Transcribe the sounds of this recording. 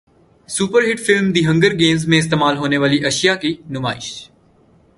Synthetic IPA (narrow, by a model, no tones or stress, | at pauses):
suːpəɾɦɪʈfɪlmd̪iːɦɐ̃ŋɡəɾɡeːmzmẽɪst̪eːmaːlɦoːneʋaːliʔɐʃijakinʊmaːɪʃ